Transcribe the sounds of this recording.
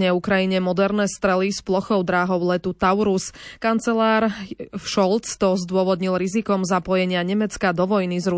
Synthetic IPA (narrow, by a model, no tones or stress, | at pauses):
ɲɛukɾajiɲɛmɔd̪ɛɾnɛst̪ɾɛlisplɔxɔʊd̪ɾaːɦɔʊlɛt̪ut̪aʊɾuskant͡sɛlaːɾʃɔlt͡st̪ɔzd̪ʊɔʋɔd̪ɲilɾizikɔmzapɔjɛɲɪaɲɛmɛt͡skad̪ɔʋɔjnizɾu